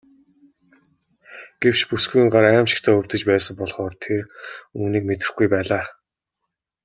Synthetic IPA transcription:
ɡ̥ew̥t͡ɕpusɡujiɴɢaɾæːmʃɪ̥̆kt̪ʰæːɵw̥ʲt̪ɘ̆t͡ɕpæːsə̆mpɔɮχɔːrt̪ʰeruːniːk̚met̪ɪ̆xɡujpæːɮaː

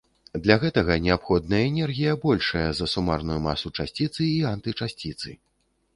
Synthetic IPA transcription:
d̪lʲaɣɛt̪ɐɣɐnʲɛapxɔd̪̚nɐjɐɛnʲɛrɣʲijɐbɔlʲʂɐjɐzɐsumarnujuma̰sut͡ʂasʲt͡sʲit̪sɨiant̪ɨt͡ʂasʲt͡sʲit̪sɨ

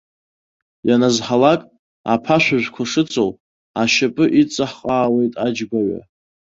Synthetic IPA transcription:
janazħalakʼ | a̰pʰaʃʷᶣaʒᶣʷkʷʰaʂɨt͡sʰʼow | aʃapʼɨʔit͡sʼaħqʼaːwe̞jtʼad͡ʒɡʷaɥa̰

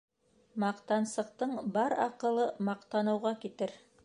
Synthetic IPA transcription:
mɑqt̪ɑnsɤ̆q̚t̪ɤɴbɑɾɑ̰qɤ̆lˠɤmɑqt̪ɑnɤ̆wʁɑkit̪ɘɾ

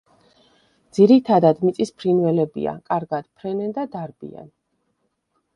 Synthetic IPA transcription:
d̪z̥iɾit̪ʰad̪ad̪mit̪sʼispʰɾinvɛlɛbḭa̰kʼaɾɡad̪̥pʰɾɛnɛnd̪ad̪aɾbḭa̰n

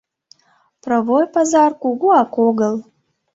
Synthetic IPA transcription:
pravojpazarkʷʼuɡʷuakʷoɡəl

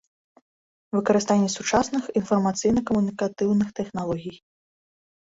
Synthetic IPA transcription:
vɨkɐɾɨst̪anʲːɐsut͡ʂasnɨxinfɐrmat̪sɨjnɐkɐmunʲikat̪ɨwnɨxt̪ɛxnalˠɔɣʲij

